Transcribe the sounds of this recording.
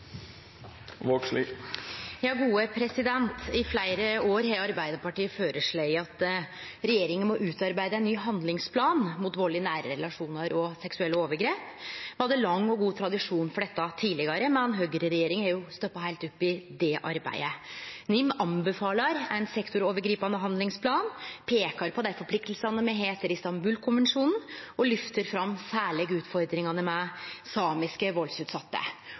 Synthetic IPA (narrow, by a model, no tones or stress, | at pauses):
ʋoʈʂliː | jɑːɡuːəpʰɾɛsɪd̪ɛnt̪ɪflæɪɾəoːɾhɛːɑɾbæɪd̪əpɑʈiːəføːɾəʂɭeɪɑt̪ | ɾɛjeːɾɪŋənmɔʔʉːt̪ɑɾbæɪd̪əæɪnːyːɦɑnd̪lɪŋspʰlɑːnmʊt̪ʋoːɭɪənæːɾəɾɛlɑʂuːnɑɾɔsɛksʉɛlːəoːʋəɾɡɾeːphɑd̪ːəlɑŋːɔɡuːt̪ʰɾɑd̪ɪʂuːnfɔɖɛt̪ːɑt̪ʰiːlɪɡɑɾəmɛnɦøːɡəɾəɾɛjeːɾɪŋæɾjʊst̪œpːɑhæɪt̪ʊpːɪd̪ɛʔɑ̰ɾbæ̰ɪənɪmːɑmbəfɑːlɑɾænsɛkt̪ʊɾoːʋəɾɡɾiːpɑnd̪əɦɑnd̪lɪŋspʰlɑːnpʰeːkɑɾpʰɔd̪æɪfɔpʰlɪk̚t̪lsɑnəmɛɦeːt̪əɾɪst̪ɑmbʉːlkʰʊnʋənʂuːnn̩ɔlʏft̪əɾfɾɑmːsæːɭeːɡʉːt̪fɔɾd̪ɾɪŋɑnəmɛsɑːmɪskəʋɔlsʉːt̪sɑt̪ːə̰